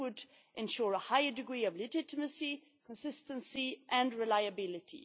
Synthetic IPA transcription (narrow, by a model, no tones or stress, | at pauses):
ʊd | ʔɛ̃nʃuɹəhaɪədɪɡɹiːʌvlɪd͡ʒɪtɪməsi | kʰə̃nsɪstə̃nsiʔɨ̃nɹɪlaɪəbɪlɪtʰḭ